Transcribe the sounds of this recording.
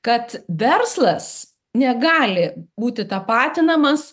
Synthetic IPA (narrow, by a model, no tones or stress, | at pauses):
kɐt̪ʋʲɛɾslˠɐs | nʲɛɡɑːlʲɪbuːt̪ʲɪt̪ɑpɑːt̪ʲɪnɐmɐs